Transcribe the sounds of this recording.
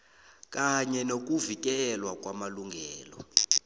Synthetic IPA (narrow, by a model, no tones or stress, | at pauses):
kʼaɲɛnok̬uvik̬ɛlwak̬ʼwamaluŋɡʱɛːlɔ̰